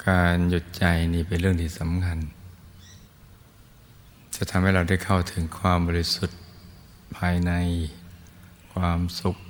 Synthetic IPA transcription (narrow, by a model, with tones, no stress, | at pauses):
kaː˧nju˨˧˩t̪̚t͡ɕa˧jniː˧˩pe˧˨nɾɯ˥˩əŋt̪ʰiː˧˩sa˨˦mkʰa˧n | t͡ɕa˨˩t̪ʰa˧˦mha˥˩jɾa˧wda˥˩jkʰa˥˩wt̪ʰɯ˩˦ŋkʰwaː˧mbɔː˧li˧˥su˨˩t̪̚ | pʰaː˧jna˧j | kʰwaː˧msu˨˩k̚